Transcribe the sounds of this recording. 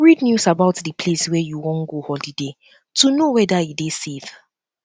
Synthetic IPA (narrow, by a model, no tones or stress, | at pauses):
ɹidnjusabaʊtdipʰleswɛjuwɔ̃nɡohɔlide | tunowɛdajidesev̥